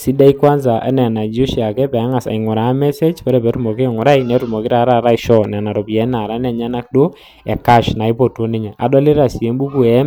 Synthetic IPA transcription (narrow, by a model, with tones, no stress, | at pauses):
si˦da˦i˦kwa˦nza˨ʔa̰˦nɛ˨na˨d͡ʒo˦ʃi˦a˨kɛ˦pɛ˨a˦ŋa˨sa̰˨i˨ŋʊ˨ɾa˨˦mɛ˦se˦d͡ʒpɔ˦ɾɛ˨pɛ˨˦ɾu˦mo˨ke˦˨ŋʊ˨ɾa˦jnɛ˨˦ɾu˨mo˨ki˦ɾa˨˦ɾa˦ɾa˦˨ʃɔ˦nɛ˨na˨ɾɔ˨pjɛ˨˦na˨ɾa˨˦nɛ˨ɲa˦na˦k̚do˦ | ɛ˨ka˦ʃna˨i˦po˨two˦ne˦ɲɛ˨ʔa̰˨dɔ˦le˦ɾa˨si˨e˨˦mbu˦ku˦˨ɛ˦m